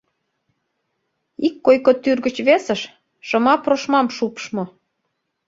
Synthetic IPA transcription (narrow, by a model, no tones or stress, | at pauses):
ikːojkot̪yrɣət͡ɕβesəʃ | ʃə̆mɑproʃmɑmʃupʃmŏ